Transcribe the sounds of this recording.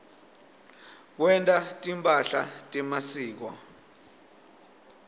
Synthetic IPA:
k̬wɛntʼatʼimpʼaɬa̰tʼɛmasiːk̬wɔ̰

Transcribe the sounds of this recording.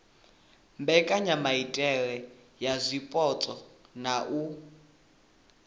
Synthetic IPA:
mbɛkʼaɲamaitʼɛɺɛ | jazʷipʼɔt͡sʼɔnaʔu

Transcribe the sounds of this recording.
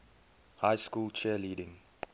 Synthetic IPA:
hajskuːlt͡ʃɛliːɾɪ̃ŋ

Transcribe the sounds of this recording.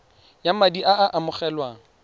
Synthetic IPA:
jamadiʔaaʔamʊχɛlwaŋ̩

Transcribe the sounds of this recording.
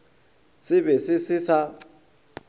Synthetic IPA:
sɪβɛsɪsɪsa

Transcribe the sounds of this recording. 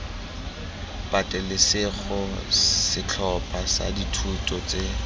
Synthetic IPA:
pʼatʼɛlɪsɪɣʊsɪt͡ɬʰɔpʼasa̰ditʰutʼɔt͡sʼe

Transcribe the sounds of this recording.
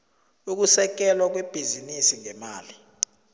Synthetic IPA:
uk̬usɛk̬ɛlwak̬web̥ʱizinisiŋɛmaːli

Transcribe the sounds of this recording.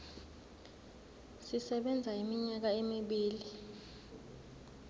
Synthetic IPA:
sisɛɓɛnd͡zʱaimiɲak̬aemiɓiːli

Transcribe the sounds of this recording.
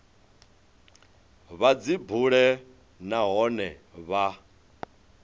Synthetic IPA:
βad͡zibuɺɛ | naɦɔnɛβa

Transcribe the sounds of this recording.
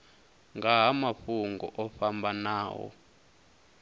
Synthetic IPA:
ŋɡaɦamaɸuŋɡɔʔɔfambʱanaːwɔ̰

